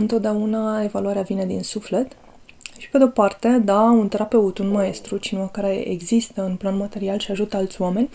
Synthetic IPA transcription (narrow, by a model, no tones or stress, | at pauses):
ɨnt̪ot̪̚d̪eaunae̞valuaɾeavine̞d̪insufle̞t̪ | ʃi̥pe̞d̪eopart̪e̞d̪aunt̪ɾape̞ut̪unmae̞st̪ɾut͡ʃinuakaɾe̞ʔeɡzist̪əɨnplanmat̪e̞ɾialʃiaʒut̪əalt̪sʲwame̞nʲ